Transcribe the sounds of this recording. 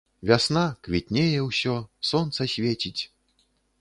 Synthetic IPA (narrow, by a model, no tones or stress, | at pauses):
vʲasnakvʲit̪ʲnʲejɛwsʲɔsɔnt̪sɐsʲvʲet͡sʲit͡sʲ